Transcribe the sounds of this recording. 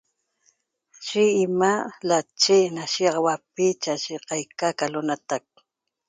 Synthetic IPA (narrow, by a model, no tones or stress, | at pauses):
ʃɪɪmalat͡ʃɪnaʃiqwap̚ɪt͡ʃaʃɪqɑjkakalʊnat̪ak̚